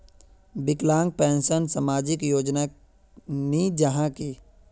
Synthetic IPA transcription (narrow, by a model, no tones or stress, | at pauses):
bɪklãːŋɡ̚pɛ̃ːnsənsamaːd͡ʒɪkjoːd͡ʒna | nid͡ʒəɦãki